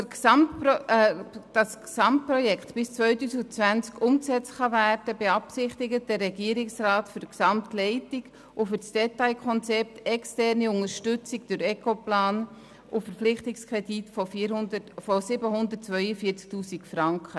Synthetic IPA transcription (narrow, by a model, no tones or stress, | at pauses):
kɑmtp | d̥ɑsksɑmt̚prɔjɛktb̥ɪst͡svœʏtuːsiɡt͡sʋænt͡skʊmksɛt͡sχɑværdəbeɑpsɪχtɪɡəd̥ɛrːɛɡiəɾɪksrɑːtfʏɾksɑmtlɛɪtɪɡ | ʔʊfʏt͡sd̥ɛtaɪkʰχɔnt͡sɛp̚tɛkstɛrniʊŋəɾʃtʏt͡sɪɡd̥ʊɾɛkoplɑːn | ʔʊfəɾflɪχtɪkskʁɛditf | fosɪbəɦʊnd̪əɾtt͡svœʏəfiːɾt͡sk̚tuːsikfrɑŋkχə